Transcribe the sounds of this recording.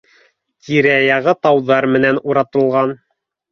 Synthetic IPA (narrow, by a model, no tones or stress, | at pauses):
t̪ʰiɾæjɑʁɤt̪ɑwðɑɾmɘ̆nænuɾɑt̪ɤ̆lˠʁɑn